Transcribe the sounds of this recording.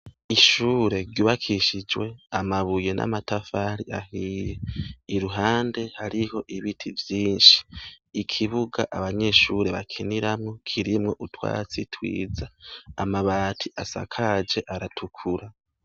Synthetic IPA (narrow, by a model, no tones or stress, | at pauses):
iʃuːɾe̞ɾɟuːβakʰiʃid͡ʒwe̞amaβuje̞nʔa̰matafaːɾiʔahiːje̞iɾuɦaːnde̞haɾiho̞ʔiβitʰivjiːnʃi̥ːkʰiβuɡaʔaβaɲe̞ːʃuɾe̞βakʰiniɾamŋokʰiɾimŋo̞ʔutwa̰ːt͡sitwḭːd͡zaːmaβaːtʰiʔasa̰kʰad͡ʒe̞ʔaɾatʰukʰuɾa